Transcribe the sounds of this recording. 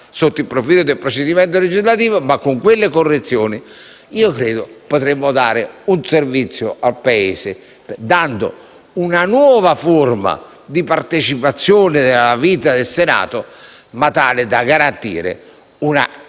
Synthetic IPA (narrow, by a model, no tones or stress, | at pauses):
sot̪ːilpːɾofiːlʊd̪elpɾot͡ʃed̪imɛnt̪̬oled͡ʒizlat̪iːvomakːoŋkwelːɪkorːet̪sːjoːni | iːokɾeːd̪ʊpot̪ɾemːʊd̪aːɾɪunservit̪sːjoalpaeːsɪ | pd̪and̪o̰ | unanwɔːvaforma̰ | d̪ipaɾt̪et͡ʃipat̪sːjoːnɪd̪ɪlaviːt̪ad̪elsena̰ːt̪ʊmat̪aːlɪd̪aɡaɾant̪ḭːɾɪ̰ | una̰